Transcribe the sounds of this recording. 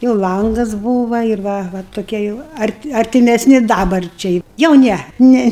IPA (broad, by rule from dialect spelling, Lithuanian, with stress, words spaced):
jɛʊ ˈlˠɐŋɡɐs ˈbuːʋɐ ɪr ˈʋɐ ʋɐ toːˈkʲiɛ jɛʊ ˈɐrʲtʲɪ ɐrʲtʲɪmʲɛsʲˈnʲɪ ˈdɑːbɐrʲt͡ʃʲɛɪ jɛʊ ˈnʲɛ ˈnʲɛ